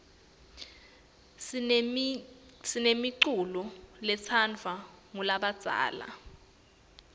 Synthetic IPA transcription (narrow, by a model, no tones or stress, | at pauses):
sinemiǀulɔlɛt͡sʰand͡vʱaŋulaɓad̥z̥ʱa̰ːla̰